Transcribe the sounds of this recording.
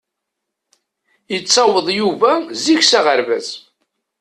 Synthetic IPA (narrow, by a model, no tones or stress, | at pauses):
jət͡sːɑwəðˤjuvæziçsæʁəɾvæz